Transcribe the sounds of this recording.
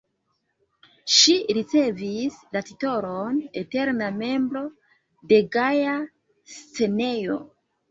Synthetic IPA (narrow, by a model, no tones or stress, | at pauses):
ʃiɾit͡se̞vislatito̞ɾone̞te̞ɾname̞mbɾo̞ | de̞ɡaja | st͡se̞ne̞jo̞̰